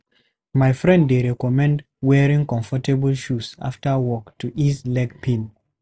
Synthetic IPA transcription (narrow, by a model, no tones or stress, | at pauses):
majfɹɛ̃nddeɹɛkɔmɛ̃nd | wɛɹĩŋkɔ̃ɱfɔtebəlʃusa̰ftəwɔktʰuʔislɛɡpʰĩn